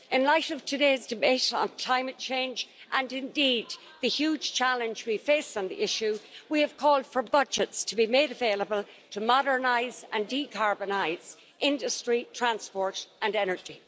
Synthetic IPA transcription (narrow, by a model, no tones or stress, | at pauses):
ɪ̃nlaɪɾʌv̥tʰɨdeɪzdɨbeɪɾn̩kʰl̥ãɪ̃mɨt̚t͡ʃʰẽɪ̃nd͡ʒʔə̃nɪ̃ndid̪̚ | ðɨhjʉ̥ʒ̥t͡ʃʰælɨ̃nd͡ʒwifeɪsn̩ðḭʔɪʃʉwiəv̥kʰɔlˠd̥fə˞bʌd͡ʒɨtstʰəbimeɪɾəveɪlˠəbəlˠ | tʰəmɑɾə˞naɪzə̰̃ndikʰɑɹbənaɪz̥ | ʔɪ̃ndəstɹ̥itʰɹ̥æ̃nspɔɹɾə̃nɛnə˞d͡ʒi